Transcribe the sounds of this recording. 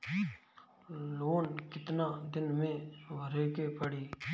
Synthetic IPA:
loːnkɪt̪naːd̪ɪnmẽːʋəɾeːkeːpəɽiː

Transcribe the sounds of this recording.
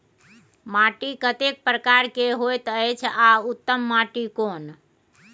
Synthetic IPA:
maʈikət̪ek̚pɾəkaɾkeɦojt̪əjt͡ʃʰaʊt̪ːəmːaʈikon

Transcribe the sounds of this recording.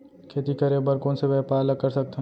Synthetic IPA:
kʰeːt̪ikɐɾebəɾkõːnseʋɛːpaːlɐkːɐɾsɐk̚t̪eɦ

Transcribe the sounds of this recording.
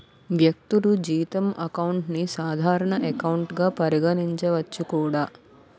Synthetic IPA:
ʋjɐk̚t̪ulud͡ʒiːit̪ɐmɐkɐwuɳʈnisaːd̪ʱaːɾɐɳɐʔekɐwuɳʈɡaːpɐɾiɡɐniɲt͡ʃɐʋɐt͡ʃːukuːɽaː

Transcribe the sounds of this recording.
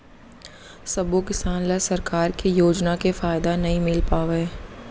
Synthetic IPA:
sɐbokɪsaːnlasɐɾkaːɾkijoːd͡ʒnakefaːɪd̪anɐɦĩmɪlpaːweː

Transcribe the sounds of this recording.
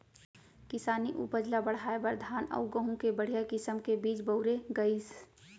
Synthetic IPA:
kɪsaːniʔṵpəd͡ʒlabəɽ̤aːebəɾd̪ʱaːnə̰ʊɡəɦũkebəɽ̤ijakɪsəmkebiːt͡ʃbəʊɾeɡəis

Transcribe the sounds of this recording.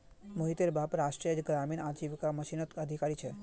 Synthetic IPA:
moɦit̪eɾbapɾaʃʈɾijəd͡ʒɡɾaminad͡ʒiʋkaməʃinɔt̪əd̪ʱikaɾit͡ʃʰe

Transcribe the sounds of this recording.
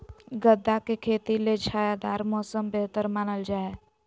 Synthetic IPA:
ɡəd̪ːakekʰeːt̪iled͡ʒʰaːjad̪aːɾmɔsəmbeɦt̪əɾmaːnəld͡ʒaːe

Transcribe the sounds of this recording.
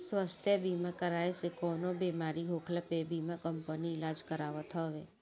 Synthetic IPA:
sʋəst̪ʰjəbimakəɾaesekonobemaɾiɦokʰlapebimakəmpəniɪlad͡ʒkəɾaʋət̪ʰəʋe

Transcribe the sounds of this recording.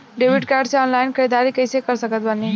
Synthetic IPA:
ɖebiɖkaɾɖseɔnlajnkʰəɾid̪aɾikəjsekəɾsəkət̪bʱənːi

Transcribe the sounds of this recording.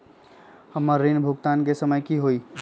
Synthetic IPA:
həmːəɾːinbʱʊɡt̪aːnkesəməjkiɦoːiː

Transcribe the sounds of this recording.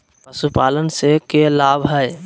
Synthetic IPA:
əsupalənsekelabʱɦəj

